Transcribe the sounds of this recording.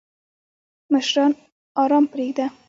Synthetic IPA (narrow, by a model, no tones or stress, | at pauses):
məʃɾɑn | ɒɾɑmpɾeɡd̪a